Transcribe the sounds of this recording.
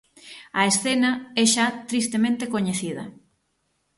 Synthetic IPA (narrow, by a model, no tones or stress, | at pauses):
ɐesθenɐɛʃat̪ɾist̪emẽnt̪ekoɲeθiðɐ̰